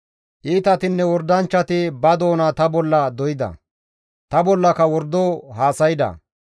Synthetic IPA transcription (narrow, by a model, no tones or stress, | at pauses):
ʔiːt̪ɐt̪ɪnːɛwɔɾd̪ɐnt͡ʃːɐt̪ɪbɐd̪o̞ːnɐt̪ɐbɔlːɐd̪ɔjɪd̪ɐ̰ | t̪ɐbɔlːɐkɐwɔɾd̪oːɦaːsɐjɪd̪ɐ̰